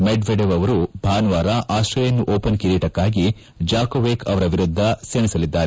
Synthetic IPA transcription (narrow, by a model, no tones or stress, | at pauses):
meɖʋeɖeʋɐʋɐɾubʱaːnʋaːɾɐʔaːʃɾɐjɐnːuʔoːpɐnkiɾeːʈɐkːaːɡi | d͡ʒaːkoʋeːkʰɐʋɐɾɐʋiɾud̪ʱːɐsenisɐlid̪ːaːɾe